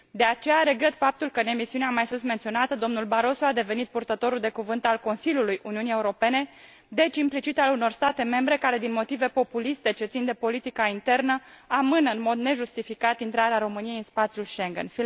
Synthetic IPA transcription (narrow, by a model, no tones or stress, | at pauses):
d̪e̞at͡ʃe̞jaɾe̞ɡɾe̞t̪fap̚t̪ulkəɨne̞misiuneamajsunsment̪sio̞nat̪əd̪o̞mnulbaɾo̞soad̪e̞ve̞nit̪̚purt̪ət̪oɾuld̪e̞kuvɨnt̪alko̞nsiljulujuniunie̞uɾo̞pe̞ne̞ | d̪e̞t͡ʃimplit͡ʃit̪aluno̞rst̪at̪e̞me̞mbɾe̞kaɾe̞d̪inmo̞t̪ive̞po̞pulist̪e̞t͡ʃe̞t̪sind̪e̞po̞lit̪ikaint̪e̞rnəamɨnəɨnmo̞d̪ne̞ʒust̪ifikat̪int̪ɾaɾeaɾo̞mɨnijejinspat̪sjulʃe̞ŋɡḛnfi